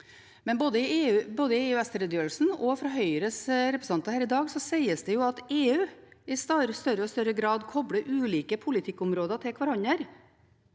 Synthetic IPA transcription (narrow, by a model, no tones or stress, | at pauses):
mɛnboːd̪əɪeːʉːboːd̪əɪeːʉːɛst̪əɾəd̪jøːɾl̩sn̩ɔfɾɑɦœʏɾəsɾɛpɾəs̩ɑnt̪əhæːɾɪd̪ɑːɡsɔsæɪəsd̪ɛjʊɑt̪eːʉːɪst̪ɑɾəst̪œɾəɔst̪œɾəɡɾɑːd̪kʰɔbɽəʔʉːliːkəpʰʊlɪt̪ʰɪkːʊmɾoːd̪ət̪ʰɪlkʰʋɑɾɑɲːəɾ